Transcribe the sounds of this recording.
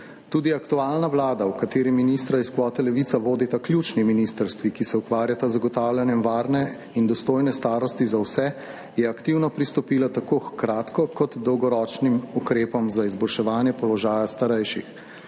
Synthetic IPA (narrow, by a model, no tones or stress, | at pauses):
t̪uːd̪iakt̪uaːlnaʋlaːd̪awkat̪eːɾiminist̪ɾaiskʋɔːt̪ɛlɛʋit̪saʋoːd̪it̪aklʲjut͡ʃniminist̪əɾst̪ʋikisɛukʋaːɾjat̪azaɡɔt̪aːwlʲjanjɛmʋaːɾnɛ | ind̪ɔst̪oːjnɛst̪aːɾɔst̪izawsɛ | jɛakt̪iwnɔpɾist̪ɔpiːlat̪akoxkɾaːt̪kɔkɔt̪d̪ɔwɡɔɾɔːt͡ʃnimukɾeːpɔmzaizbɔlʃɛʋaːnjɛpɔlɔʒaːjast̪aɾɛjʃḭx